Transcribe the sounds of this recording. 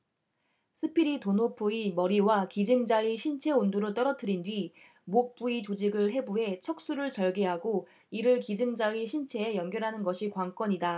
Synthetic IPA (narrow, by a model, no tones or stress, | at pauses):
sʰɯpʰiɾitonopʰoimʌɾiwakid͡ʑɯŋd͡ʑaiɕʰint͡ɕʰe̞ondoɾot͈ʌɾʌt͈ʰɯɾindwɥi | mok̚p͈uit͡ɕod͡ʑiɡɯɭɦe̞buɦe̞t͡ɕʰʌk̚s͈uɾɯɭt͡ɕʌɭɡeɦaɡo | iɾɯɭkid͡ʑɯŋd͡ʑaiɕʰint͡ɕʰe̞ːjʌŋɡjʌɾɦanɯnɡʌɕʰikwaŋk͈wʌɲida